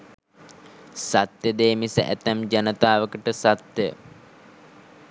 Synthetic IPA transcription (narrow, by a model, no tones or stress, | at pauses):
sat̪jəd̪eːmisə̰ʔæ̰t̪æmd͡ʒanət̪aːʋəkəʈəsat̪jə